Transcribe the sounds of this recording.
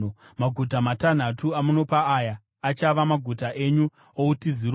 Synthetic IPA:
maɡʱutamatan̤atuamuno̞paːjaː | t͡ʃaʋamaɡʱutaʔe̞ɲu | outiziɾ

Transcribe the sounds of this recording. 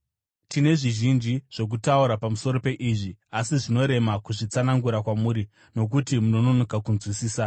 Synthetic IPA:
tine̞ʐiʒind͡ʒiʐ̥o̞k̬utauɾapamuso̞ɾo̞pe̞ʔiʐiasiʐino̞ɾe̞makuʐit͡sanaŋɡuɾakwamuːɾi | no̞k̬utimuno̞nonokakunzwisiːsa

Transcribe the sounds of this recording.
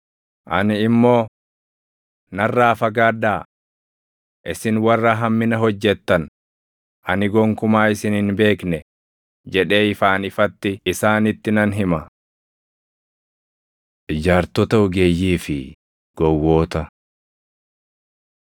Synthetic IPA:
ʔɐ̰nɪɪmːo̞ː | nɐrːaːfɐɡaːd̪aː | ʔɪsɪnwɐrːɐɦɐmːɪnɐɦɔd͡ʒːɛt̪ːɐn | ʔɐnɪɡɔŋkʊmaːɪsɪnɪnbe̞ːknɛ | d͡ʒɛᶑe̞ːɪfaːnɪfɐt̪ːɪːsaːnɪt̪ːɪnɐnɦɪmɐ | ʔɪd͡ʒaːɾt̪ɔt̪ɐʊɡeːjːiːfɪ | ɡ̥ɔwːo̞ːt̪ɐ

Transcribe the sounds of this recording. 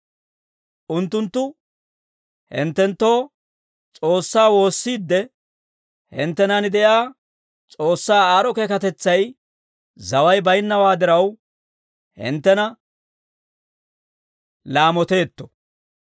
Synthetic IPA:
ʔʊnt̪ːʊnt̪ːʊ | hɪ̰nt̪ːɛnt̪ːo̞ː | t͡sʼo̞ːsːaːwo̞ːsːiːd̪ːɛ | hɪ̰nt̪ːɛnanɪd̪ɛʔaː | t͡sʼo̞ːsːaːaːɾɔkeːkɐt̪ɛt͡sːɐj | zɐwɐjbɐjnːɐwaːd̪ɪɾɐw | hɪ̰nt̪ːɛnɐ | laːmɔt̪e̞ːt̪ːɔ̥

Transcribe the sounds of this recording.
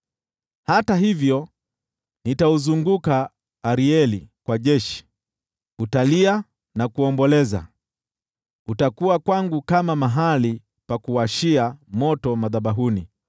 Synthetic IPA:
hataɦivjɔ | nitauzuŋɡukaː | ɾiɛlikwaʄɛʃi̥ | utalia | nakuɔmbɔlɛza̰ | utakuwakwaŋɡukamamaɦali | pakuwaʃiamɔtɔmaðaɓaɦuni

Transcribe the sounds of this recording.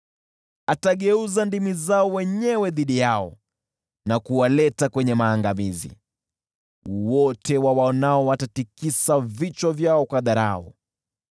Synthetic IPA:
ataɠɛuzandimizaɔwɛɲɛwɛðiɗijaɔ̰ | nakuwalɛtakwɛɲɛmaːŋɡamizḭ | wɔtɛwawaɔnaɔwatatikisavit͡ʃwavjaɔkwaðaɾa̰ɔ̰

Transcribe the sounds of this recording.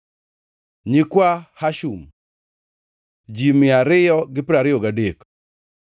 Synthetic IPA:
ɲikwahaʃum | d͡ʒimɪaɾɪjɔɡɪpɪɾaɾɪɔɡadek

